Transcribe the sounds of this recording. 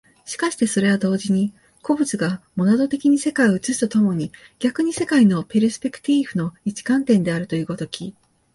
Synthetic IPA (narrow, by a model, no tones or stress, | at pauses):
ɕi̥kaɕi̥t̪e̞so̞ɾe̞βad̪o̞ːʑiɲ̟i | ko̞bɯ̟t͡sɨɡamo̞nad̪o̞t̪e̞kʲiɲ̟ise̞kaioɯ̟t͡sɨɕi̥t̪o̞t̪o̞mo̞ɲ̟iɡ̥ʲakɯ̟ɲ̟ise̞kaino̞peɾɯsɨ̥pʲe̞kɯ̟̥t̪ʲiɸɯ̟no̞it͡ɕi̥kãnt̪ẽ̞nd̪e̞aɾɯ̟t̪o̞jɯ̟ːko̞t̪o̞kʲʰi